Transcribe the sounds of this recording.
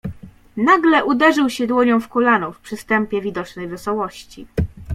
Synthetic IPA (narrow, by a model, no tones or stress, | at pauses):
naɡlɛʔud̪ɛʐɘwɕɛd̪wɔɲɔ̃w̃fkulanufpʂɘst̪ɛmpʲjɛvʲid̪ɔt͡ʂnɛjvɛsɔwɔɕt͡ɕḭ